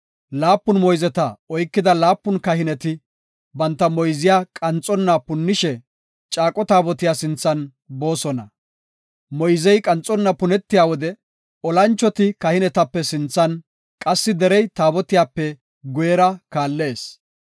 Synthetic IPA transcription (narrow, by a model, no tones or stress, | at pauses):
laːpːʊnmɔjzɛt̪ɐɔjkːɪd̪ɐlaːpːʊnkɐɦɪnɛt̪ɪ | bɐnt̪ːɐmɔjzɪjaːkʼɐnt͡sʼːɔnːɐpʊnːɪʃɛ | t͡ʃʼaːkʼɔt̪aːbɔt̪ɪjaːsɪnt͡sːɐn | bo̞ːsɔnɐ | mɔjzɛjkʼɐnt͡sʼɔnːɐpʊnɛt̪ːɪjaːwɔd̪ɛ | ɔlɐnt͡ʃːɔt̪ɪkɐhɪnɛt̪ɐpːɛsɪnt͡sːɐn | kʼɐsːɪd̪ɛɾɛjt̪aːbɔt̪ɪjaːpːɛ | ɡʊjɛɾɐkaːlːe̞ːs